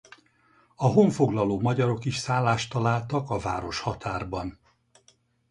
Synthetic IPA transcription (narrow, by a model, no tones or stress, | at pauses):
ɒɦoɱfo̞ɡlɒloːmɒɟɒɾo̞kiʃsaːlːaːʃt̪ɒlaːlt̪ɒkɒva̰ːɾo̞ʃhɒt̪ʰaːrbɒn